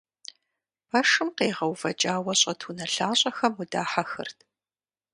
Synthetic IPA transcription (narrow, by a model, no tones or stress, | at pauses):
pʰɐʂɨmqeːʁɐwvɐt͡ʃʼaːwɐɕʼɐtʰuːnɐɬaːɕʼɐxɐmudaːħaxɨ̰rtʰ